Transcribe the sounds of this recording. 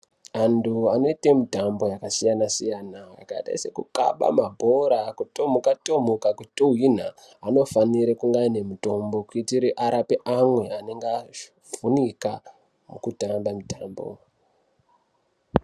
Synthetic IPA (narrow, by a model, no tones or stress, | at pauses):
anduano̞itemitambo̞jakasijanasijanaa̰kaita̰ise̞kuka̰ɓa̰mabʱo̞ɾakutomukatomukakutuwin̤a | ano̞faniɾekuŋɡaine̞muto̞mbo̞kuitiɾiʔaɾapeʔamwe̞aneŋɡa | vunika | mukutambamitaːmbo̰